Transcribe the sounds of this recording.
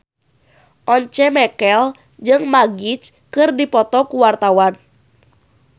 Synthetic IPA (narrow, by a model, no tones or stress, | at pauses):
ʔɔɲt͡ʃɛmɛkɛl | d͡ʒɨŋmaɡit͡ʃ | kɨrdipɔt̪ɔkuwart̪awan